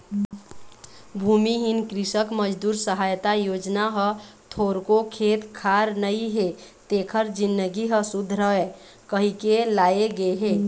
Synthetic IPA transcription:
bʱumiɦinkɾisəkməd͡ʒd̪uɾsəɦajt̪ajod͡ʒnaɦət̪ʰoɾkokʰet̪kʰaɾnəiɦet̪ekʰəɾd͡ʒinːəɡiɦəsud̪ʱːɾəɦe | kəɦikelaeɡeɦe

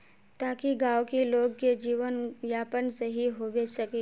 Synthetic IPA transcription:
t̪aːkiɡaːwkeloːɡ̚ked͡ʒiːʋənʋjaːpənseɦiɦoːʋesɐke

